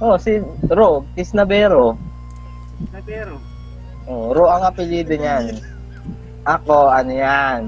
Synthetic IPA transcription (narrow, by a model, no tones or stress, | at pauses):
ʔosiɾoɡ̚t̪ɪsnɐbɛːɾo | bɛɾo | ʔoʔɾoɐŋɐpɪliːd̪oɲan | ʔɐkoɐnojan